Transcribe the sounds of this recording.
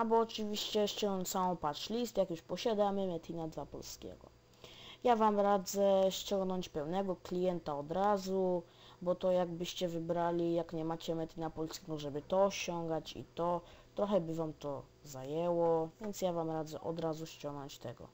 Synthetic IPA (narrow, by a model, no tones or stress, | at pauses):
abɔːt͡ʂɘvʲiɕt͡ɕɛɕt͡ɕɔŋnɔɲsawɔ̃w̃pat͡ʂlʲist̪jakjuʂpɔɕad̪amɘmɛt̪inad̪vapɔ̰lskʲɛ̰ɡɔ̰ | javamɾad̪zɛɕt͡ɕɔŋɡnɔɲt͡ɕpɛwnɛɡɔklʲijɛnt̪aɔd̪ɾazu | bɔt̪ɔjaɡbɘɕt͡ɕɛvɘbɾalʲijakɲɛmat͡ɕɛmɛt̪ʲinapɔlskʲɛɡɔʐɛbɘt̪ɔːɕɔŋɡat͡ɕḭt̪ɔt̪ɾɔxɛbɘvamt̪ɔ | zajɛwɔvʲjɛnt̪sjavamɾad̪zɛ̰ʔɔ̰d̪ɾazuɕt͡ɕɔ̃ŋɡnɔɲt͡ɕt̪ɛɡɔ̰